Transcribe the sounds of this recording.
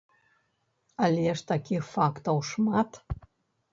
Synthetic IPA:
alʲeəʂt̪akʲixfakt̪owʂmat̪

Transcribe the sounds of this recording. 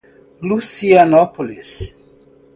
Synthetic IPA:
lusianɔpolis

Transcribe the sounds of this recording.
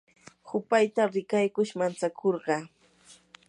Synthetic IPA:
hʊpajt̪aɾɪkajkʊʃmant͡sakʰoɾɢɑ

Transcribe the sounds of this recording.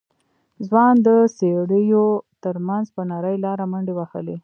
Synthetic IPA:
zwɑnd̪əseɽəjot̪əɾmanzpənaɾəjlɑɾaməɳɖewaxə̰le

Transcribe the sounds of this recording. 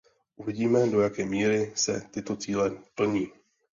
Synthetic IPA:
ʔuvɪɟiːmɛdo̞jakɛːmiːɾɪsɛ̰t̪ɪt̪o̞t͡siːlɛpl̩ɲiː

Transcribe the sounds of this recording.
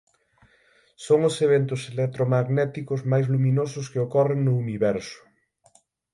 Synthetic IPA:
soŋʊseβ̞ent̪ʊselek̚t̪ɾomaɣnɛt̪ikʊzmajzlumĩnosʊskeokɔreŋnʊuniβɛɾsʊ̥

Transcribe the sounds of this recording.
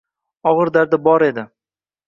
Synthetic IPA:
ɒʁɨɾd̪aɾd̪abɒɾe̞d̪ɪ

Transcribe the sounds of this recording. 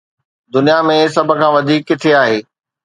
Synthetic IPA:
d̪ʊnijamẽsɐbʱʊ̆kʰãːʋɐd̪ʱiːkːɪt̪ʰeaːɦeː

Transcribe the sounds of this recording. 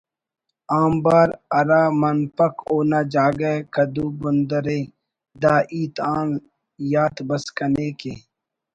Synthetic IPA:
aːmbaːɾɐɾaːmɐnpɐkoːnaːd͡ʒaːɡakɐd̪uːbʊnd̪əɾeː | d̪aːʔiːt̪aːn | jaːt̪bɐskɐneːkeː

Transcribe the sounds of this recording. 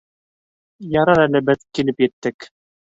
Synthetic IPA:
jɑɾɤɾælɘbɘðkilɘpjɘ̆t̪ːɘk

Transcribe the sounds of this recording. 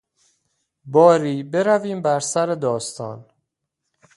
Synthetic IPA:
bɒːɾiːbe̞ɾæviːmbæɾsæɾed̪ɒːst̪ɒːn

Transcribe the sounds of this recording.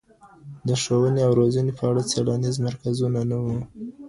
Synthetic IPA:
d̪əʂowəneawɾozənepʰəaɽat͡saɽanizmaɾkazunanawu

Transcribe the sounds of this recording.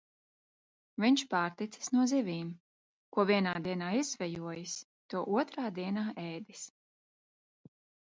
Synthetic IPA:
viɲʲt͡ʃpaːɾt̪it̪sɐ̥snuɔzivʲiːm | kuɔvʲiɛnaːd̪iɛnaːizvʲɛjuɔjis | t̪uɔʔuɔt̪ɾaːd̪iɛnaːʔɛːd̪is

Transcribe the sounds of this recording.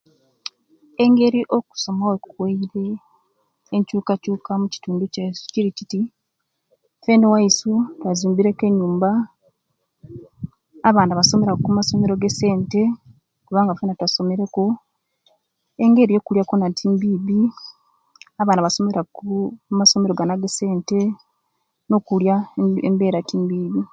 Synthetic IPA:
e̞ŋɡe̞ɾiʔo̞ku̥so̞maweku̥kweiɾe̞ː | ɲcuːkacuːkamuci̥tuːnduciɾiciti | fe̞ːndowaisutwazuːmbiɾe̞ke̞ɲːuːmba | βaːnaβaso̞me̞ɾakumaso̞me̞ɾo̞ɡese̞ːnte̞ | kuβaːŋɡafenatwaso̞me̞ɾe̞ko | e̞ŋɡe̞ɾijo̞ːkuljako̞natʰiːmbiːβi | aβaːnaβaso̞me̞ɾakumaso̞me̞ɾo̞ɡanaɡese̞ːnte̞ | no̞kuljaembe̞ːɾatiːmbiːβi

